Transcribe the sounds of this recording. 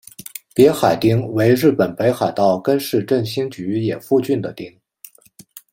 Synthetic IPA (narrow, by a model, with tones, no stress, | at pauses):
pjɛ˧˥xa˨˩ɪt̪i˥ŋwe˧˥ɪɻɻ̩˥˩pə˨˩npe˧˥ɪxa˨˩ɪt̪ɑ˥˩ʊkə˥nʂɻ̩˥˧ʈ͡ʂə˥˩ŋɕi˥ŋt͡ɕy˧˥jɛ˨˩fu˥˧t͡ɕy˥˩nd̪ə˩t̪i˥ŋ